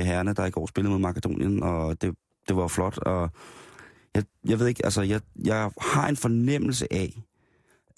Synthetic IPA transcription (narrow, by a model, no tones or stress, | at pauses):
ɦæɐnəd̥ɑ̈iɡ̥ɒ̰ːsb̥e̝ləð̩ˠmeðˠmɑ̈kəd̥o̝̰ːnjənɒ̽d̥e̝ | d̥e̝ʋɑ̈jo̝flɒ̽d̥ɒ̽ | jɑ̈ɪjɑ̈ʋe̝ð̞ˠeɡ̥ælsəjɑ̈ɪjɑ̈ɪhɑ̈e̝nfɒ̽nem̰l̩s̬əʔæ